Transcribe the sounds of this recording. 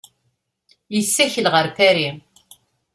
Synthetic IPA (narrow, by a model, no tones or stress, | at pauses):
jəsːæçəlʁəɾfæɾi